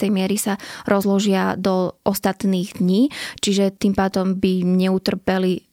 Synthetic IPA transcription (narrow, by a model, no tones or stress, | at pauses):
ɛjmɪɛɾisaɾʔɔzlɔʒɪad̪ɔʔɔst̪at̪niːɣd̪ɲiːt͡ʃiʒɛt̪impaːd̪ɔmbiɲɛut̪r̩pɛli